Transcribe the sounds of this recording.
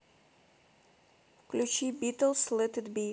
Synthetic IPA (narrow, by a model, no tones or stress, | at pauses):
fklʲut͡ʃibit̪əlˠslɛt̪ɪd̪bi